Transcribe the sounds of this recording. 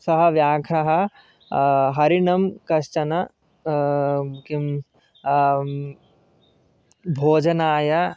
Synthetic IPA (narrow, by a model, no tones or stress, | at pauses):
sɐɦɐ̆ʋjaːkʰɐɦɐ̆ | ɦɐɾinɐmkɐʃt͡ʃɐnɐ | kim | bʱoːd͡ʒɐnaːjɐ